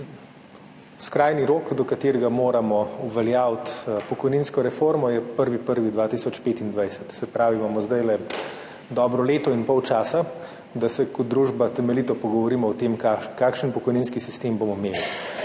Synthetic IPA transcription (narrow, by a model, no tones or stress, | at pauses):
skɾaːjniɾoːkd̪ɔkat̪eːɾɛɡamoːɾamɔuʋɛljawt̪pɔkɔjninskɔɾɛfoɾmɔjɛpəɾʋipəɾʋid̪ʋaːt̪isɔt͡ʃpeːt̪ind̪ʋajsɛt̪sɛpɾaːʋimaːmɔzd̪ajlɛ | d̪ɔːbɾɔleːt̪ɔinpɔwt͡ʃaːsa | d̪asɛkɔd̪̚d̪ɾuːʒbat̪ɛmɛlit̪ɔpɔɡɔʋɔɾiːmɔɔt̪emkakaːkʃənpɔkɔjninskisist̪eːmbomɔmeːli